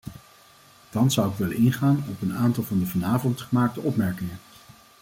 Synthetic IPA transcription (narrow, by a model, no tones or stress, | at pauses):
d̥ɑnszʌwɪkʋɛləɪnχaːnɔpənaːntɑlˠvɑndəvɑnaːvɔntχəmaːk̚təʔɔpmɛɹkɪŋən